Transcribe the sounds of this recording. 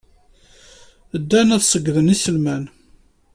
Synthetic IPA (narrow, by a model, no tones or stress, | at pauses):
əd̪ːænæðsˤəɡːðənisəlmæn